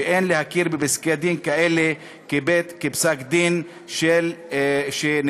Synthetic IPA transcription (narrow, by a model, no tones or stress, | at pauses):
eʔenlehakiɾbebiskead̪inkaele | kebet̪kebsakd̪in | ʃelʃen